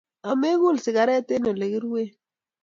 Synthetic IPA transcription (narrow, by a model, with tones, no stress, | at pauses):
a˨me˦ɣu˦˨lsɪ˨ka˨˦ɾɛ˦te˦no˨le˨ɣi˦ɾwe˦